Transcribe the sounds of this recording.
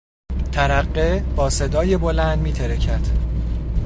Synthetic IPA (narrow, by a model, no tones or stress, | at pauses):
t̪ʰæɾæɢːeb̥ɒːse̞d̪ɒːjebo̞lænd̪miːt̪ʰeɾecʰæɾd̪̥